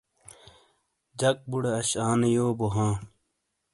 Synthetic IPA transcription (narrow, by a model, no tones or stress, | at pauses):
d͡ʑɐk̚buɽeɐɕaːnejoːboɦãː